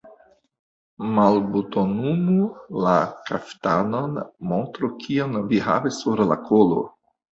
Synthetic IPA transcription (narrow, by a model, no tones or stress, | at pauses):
malbutonumulakʰaftano̞nmontɾokʰionviɦa̰vesuɾla̰kʰolo̰